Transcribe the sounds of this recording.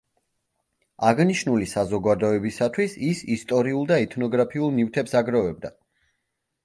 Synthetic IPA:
aʁniʃnulisazɔɡad̪ɔɛbisat̪ʰwisisist̪ʼɔɾiulˠd̪aɛt̪ʰnɔɡɾapʰiulˠnift̪ʰɛpsaɡɾavɛb̚d̪a

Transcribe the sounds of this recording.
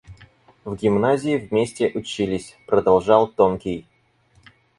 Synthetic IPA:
vɡʲɪmnazʲɪːvmʲesʲtʲɪʔʊt͡ɕilʲɪsʲpɾəd̪ɐlˠʐɑlˠt̪onkʲɪj

